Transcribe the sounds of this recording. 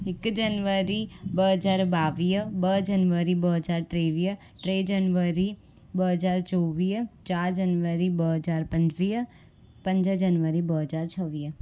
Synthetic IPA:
ɪkd͡ʒənʋəɾibəɦəd͡ʒaːɾbaːʋiːbəd͡ʒɐnʋəɾibəɦəd͡ʒaːɾʈɾeːʋiə | ʈɾeːd͡ʒənʋəɾi | bəɦəd͡ʒaːɾt͡ʃoːʋiːt͡ʃaːɾd͡ʒənʋəɾibəɦəd͡ʒaːɾpə̃ɲd͡ʒʋiː | pə̃ɲd͡ʒəd͡ʒənʋəɾibəɦəd͡ʒaːɾt͡ʃʰəʋiː

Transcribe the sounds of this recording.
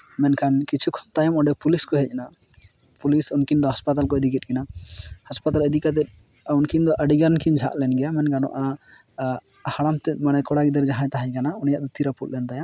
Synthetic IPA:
mɛnkʰankit͡ʃʰukʰɔ̥mt̪ajamɔɖɛpuliskɔɦɛc̚na | pulisunkind̪ɔɦaspat̪alkɔɛd̪ikɛt̪̚ˀkɛnahaspat̪alɛd̪ikat̪̬ɛt̪̚ | unkind̪ɔʔəɖiɡaɾnkiɲd͡ʒʱa̰ʔlɛnɡɛjamɛnkanɔ̰ʔa | haɽamt̪ɛmanɛkɔɽaɡid̪əɾd͡ʒaɦãɲt̪aɦaɲkanaunijaʔd̪ɔt̪iɾaput̪̚lɛnt̪aja

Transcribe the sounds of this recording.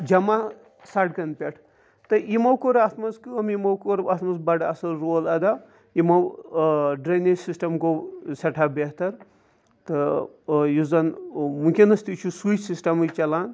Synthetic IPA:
d͡ʒɐma | saʈ̚kɐnpʲeʈʰ | t̪ɐimɐwkoɾat̪ʰmɐskɨɐmimɐwkoɾat̪mɐsbɐɖasɐlɾoːlɐd̪a | imɐw | ɖɾɐnisisʈɐmkosɐʈʰabet̪ɐɾ | t̪ɐ | juzɐnmukʲinɐst̪it͡ʃʰusut͡ʃsisʈɐmɨt͡ʃɐlaːn

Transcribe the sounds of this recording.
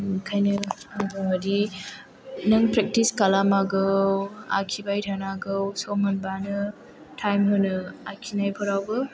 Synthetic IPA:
kʰajnɯboŋadi | nɯŋpɾek̚tiskalamaɡɯwa̰kʰibajɾʰanaɡɯwsɔmɐnbanɯ | tʰajmɦɯnɯakʰinajpʰɔɾawbɯ

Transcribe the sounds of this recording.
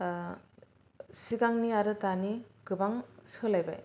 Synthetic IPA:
siɡaŋniaɾɯtaniɡɯbaŋsɯlajba̰j

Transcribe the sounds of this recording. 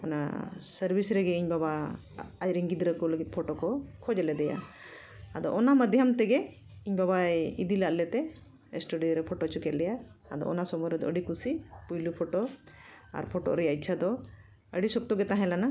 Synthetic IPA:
ɔna̰səɾbʱisɾɛɡɛiɲbaβa | ajɾiŋɡid̪ɾəkɔləɡit̪̚pʰɔʈɔkɔkʰɔd͡ʒlɛd̪ɛja̰ | ad̪ɔ̰ʔɔnaməd̪ʱjamt̪ɛɡɛ | iɲbabaid̪ilaʔlɛt̪ɛ | sʈuɖiɾɛpʰɔʈɔt͡ʃukɛt̪̚lɛjaad̪ɔ̰ɔ̰nasɔmɔɾɛd̪ɔʔəɖikusipujlupʰɔʈɔ | a̰ɾpʰɔʈɔ̰ʔɾɛjac̚t͡ʃʰad̪ɔ | əɖisɔp̚t̪ɔɡɛt̪ãɦɛ̃lana

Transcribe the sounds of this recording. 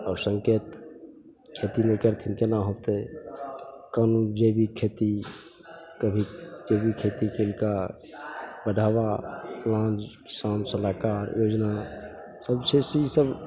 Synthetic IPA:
ɔːɾsə̃ŋkeːt̪ | kʰet̪inẽkəɾt̪ʰɪnkenaɦot̪e | kaːnund͡ʒebʱikʰeːt̪i | kəbʱid͡ʒebʱikʰeːt̪ikelika | bəɖʱabaplãːnd͡ʒkɪ̥saːnsəlaːkaːɾjoːd͡ʒna | səbsʰesisəb

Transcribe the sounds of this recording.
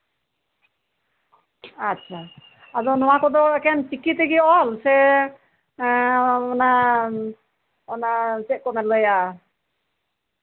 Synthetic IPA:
atːʃʰa | ad̪ɔnɔwakɔd̪ɔɛkɛnt͡ʃikit̪ɛɡiɔlsɛ | ɔna | ɔnat͡ʃɛʔ̚kɔnat̪ləjaʔ

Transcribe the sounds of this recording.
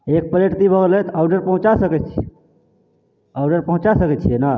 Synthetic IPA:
ek̚pəɾeʈt̪ibʱəɡelɛt̪awɖəɾpəɦũt͡ʃasəkɛt͡ʃʰi | aʊɖəɾpəɦũt͡ʃasəkɛt͡ʃʰijɛna

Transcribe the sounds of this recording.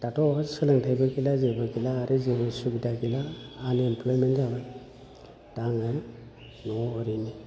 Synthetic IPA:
d̥atʰɔasɯlaŋtʰajbaɡilazebaɡilaːɾɯzebasuɡidaɡilaːnemplɔjmenzaba | d̥aŋa | nɔːɾini

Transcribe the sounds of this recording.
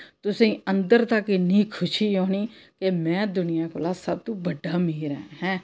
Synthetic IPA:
t̪ʊsẽːənd̪əɾt̪əknĩːkʰʊʃiːɦoːniːkemɛ̃ːd̪ʊnɪjãːkʊlaːsəb̚t̪ũːbəɖːaːmiːɾɛ̰̃ːɦɛ̃ː

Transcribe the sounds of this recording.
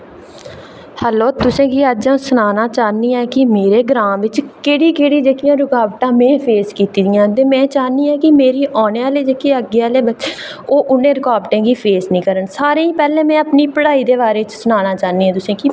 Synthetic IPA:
hɛːloːt̪ʊsẽːkiːəd͡ʒãsʊnaːnaːt͡ʃaːniːɛːkɪmeːɾeːɡɾaːmʋɪt͡ʃkeːɽiːkeːɽiːd͡ʒeːkɪjãːɾʊkaːʋʈãːmɛ̃ːpʰeːskiːt̪iːd̪ɪjãːt̪eːmɛ̃ːt͡ʃaːniːɛ̃ːkɪmeːɾiːʔɔːneːaːleːd͡ʒeːkeːəɡeːaːleːbəʃ | oːʔʊnẽːɾʊkaːʋʈẽːɡiːpʰeːsnĩːkəɾənsaːɾeːĩːpɛːlɛ̃ːmɛ̃ːəpniːpəɽaːiːd̪eːbaːɾeːɪt͡ʃsʊnaːnaːt͡ʃaːniːɛ̃ːt̪ʊsẽːki

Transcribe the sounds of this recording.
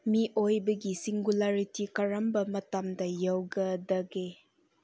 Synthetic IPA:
miʔojbɐɡisiŋɡulaɾitikɐɾɐmbɐmɐtɐmdɐjɐwɡɐdɐɡe

